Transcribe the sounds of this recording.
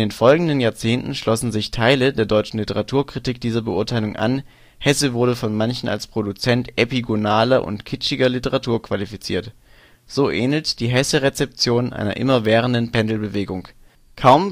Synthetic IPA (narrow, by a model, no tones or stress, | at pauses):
ʔndeːnfɔlɡŋ̩dənjaːɐt͡seːntn̩ʃlɔsn̩zɪçtʰaɪlədeːɐdɔʏt͡ʃn̩lɪtəʁatʰuːɐkʁ̥itiːk̚d̥iːzɐbəʔʊɐtʰaɪlʊŋʔa̰n | hɛsəvʊɐdəfɔnmançn̩a̰lspʁ̥odut͡sɛntʔepiɡonaːlɐʔʊ̰ntkʰɪt͡ʃɪɡɐlɪtəʁatʰuːɐkv̥alifit͡sḭːɐt | z̥oːʔeːnl̩td̥iːɦɛsəʁet͡sɛp̚t͡sjoːnʔa̰ɪnɐ̰ʔɪ̰mɐvɛːʁ̞əndənpʰɛndl̩bəveːɡʊŋ | kʰaʊm